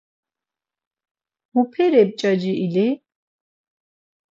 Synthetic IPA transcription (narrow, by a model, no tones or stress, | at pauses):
mupʰɛɾɛb̚t͡ʃʼad͡ʒiʔili